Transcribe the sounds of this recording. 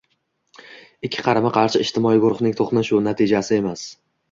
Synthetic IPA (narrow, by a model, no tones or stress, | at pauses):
ɪkʲʰːɪ̥qʰɑɾamaqʰɑɾʃɪɪʃt̪ʰɪmɒjɪɡʊɾχnɪŋt̪ʰoχnɪʃʊnat̪ʰid͡ʒasɪe̞mas